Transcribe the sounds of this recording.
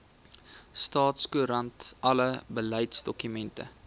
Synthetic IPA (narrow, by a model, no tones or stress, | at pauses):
stɑːtskuɾɐntɐləbələjtsdɔkymɛntə̰